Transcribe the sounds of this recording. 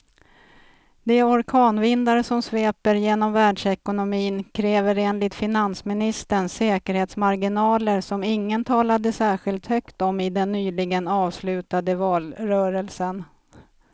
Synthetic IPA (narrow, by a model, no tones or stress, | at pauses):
d̪ɛæɔɾkʰɑːnvɪnd̪aɾəsɔmsveːpəɾjeːnɔmvæːɖʂɛkʊnʊmiːnkʰɾɛːvəɾeːnlɪt̪fɪnansmɪnɪst̪əɳsɛːkəɾheːt̪smaɾɡɪnɑːləɾsɔmɪŋːənt̪ʰɑːlad̪əsæːɧɪlt̪hœkt̪ɔmɪd̪ɛnːyːlɪɡənɑːvslʉ̟ːt̪ad̪əvɑːlɾœːɾəlsən